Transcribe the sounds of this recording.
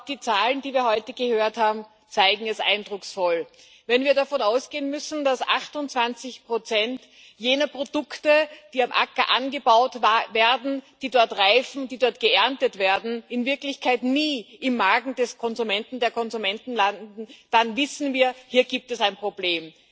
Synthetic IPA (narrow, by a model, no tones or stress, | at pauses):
d̥iːt͡saːlndiːviːɐhɔʏtəɡ̥əhøːɐthaːbm̩ | t͡saɪɡŋ̩ɛsʔa̰ɪndʁʊksfɔl | vɛnviːɐdafɔnaʊsɡ̥eːənmʏsn̩d̥asʔa̰χtʊnt͡sv̥ant͡sɪçpʁ̥ot͡sɛnt | jeːnɐpʁ̥od̥ʊktəd̥iːamʔa̰kɐʔa̰nɡəbaʊtveːɐdn̩d̥iːdɔɐtʁaɪfn̩d̥iːdɔɐt̚ɡ̥əʔɛɐntətv̥eːɐdn̩ɪnvɪɐklɪçkʰaɪtniːʔɪmːaɐɡŋ̩dɛskʰɔnzumɛntn̩deːɐkʰɔnzumɛntn̩landn̩d̥anvɪsn̩viːɐhiːɐɡiːp̚tɛsaɪnpʁ̥obleːm